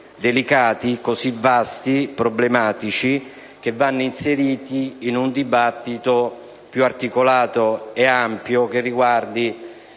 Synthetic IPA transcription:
d̪elikaːt̪ikosivast̪ipɾoblemaːt̪it͡ʃi | k̟evːanːoinseɾiːt̪iːnund̪ibat̪ːit̪o | pjuart̪ikolaːt̪oeampjok̟erːiɡward̪i

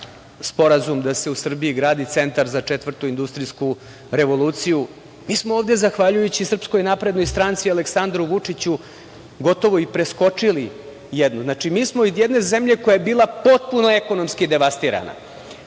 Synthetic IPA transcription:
spo̞ɾazumd̪ase̞usr̩biiɡɾaːd̪it̪se̞nt̪aɾzat͡ʂet̪ʋər̩t̪uind̪ust̪ɾisku | ɾe̞ʋo̞lˠuːt̪siju | miːsmooːvd̪e̞zaxʋaʎujut͡ɕisr̩psko̞jnapɾed̪no̞jst̪ɾant̪sialeksand̪ɾuʋut͡ʂit͡ɕu | ɡo̞t̪o̞ʋo̞ipɾe̞sko̞t͡ʂili | jed̪nuznat͡ʂimiːsmoijed̪ne̞zemʎe̞ko̞jaebiːlˠapo̞t̪̚punoe̞ko̞no̞mskid̪e̞ʋast̪iːɾa̰na̰

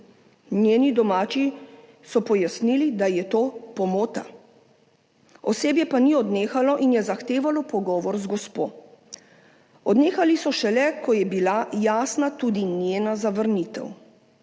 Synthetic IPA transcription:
njeːnid̪ɔmaːt͡ʃi | sɔpɔjasnilid̪ajɛt̪oːpɔmoːt̪a | ɔseːbjɛpaniɔd̪neːxalɔʔinjɛzaxt̪eːʋalɔpɔɡɔːʋɔɾzɡɔspoː | ɔd̪neːxalisɔʃɛlɛkɔjɛbilajaːsnat̪uːd̪injeːnazaʋəɾnit̪ɛ̰w

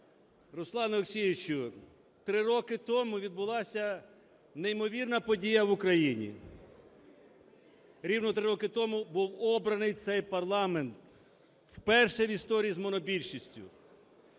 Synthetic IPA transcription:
ɾʊslˠɑnɐleksʲijʋɪt͡ʃʊ | t̪ɾɪɾɔkɪt̪ɔmʊʋʲid̪bʊlˠɑsʲɐ | neimɔʋʲirnɐpɔdʲijɐʋʊkɾɐjinʲḭ | ɾʲiwnɔt̪ɾɪɾɔkɪt̪ɔmubuwɔbɾɐnɪjt̪sɛjpɐrlˠɑment̪ | wpɛrʃɛʋʲist̪ɔɾʲijizmɔnɔbʲilʲʃisʲtʲʊ̰

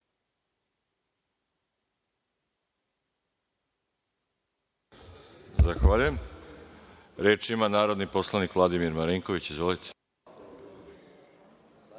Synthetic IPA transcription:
zaxʋaʎujem | ɾe̞ːt͡ʃimanaːɾo̞d̪nipo̞slˠanikʋlˠad̪imiɾmaɾiŋko̞ʋit͡ɕizʋolit̪ʰe̥

